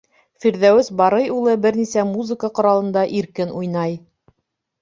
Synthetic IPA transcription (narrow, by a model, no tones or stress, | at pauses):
fiɾðæwɘsbɑɾɤjulˠɤbɘɾnisæmuzɘ̆kəqŏɾɑlˠɤ̆nd̪ɑʔiɾkɘnʔujnɑj